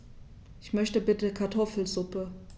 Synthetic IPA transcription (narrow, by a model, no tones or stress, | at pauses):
ʔɪçmœçtəbɪtəkʰaɐtʰɔfl̩zʊpə